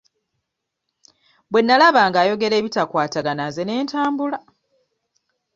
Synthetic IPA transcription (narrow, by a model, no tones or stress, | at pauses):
bwe̞nːalaβaːŋɡaːjo̞ɡe̞ɾe̞ːβitakwaːtaɡanazene̞ːntaːmbula